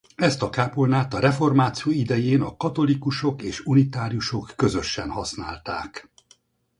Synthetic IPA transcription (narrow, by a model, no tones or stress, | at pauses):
ɛst̪ɒkaːpolnaːt̪ɒɾɛfo̞rmaːt̪sijoid̪ɛjeːnɒkɒt̪o̞likuʃo̞keːʃunit̪aːɾijuʃo̞kːø̞zø̞ʃːɛnhɒsna̰ːlt̪a̰ːk